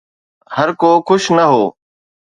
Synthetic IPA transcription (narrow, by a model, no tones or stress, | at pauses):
həɾkoːkʊʃnəɦoː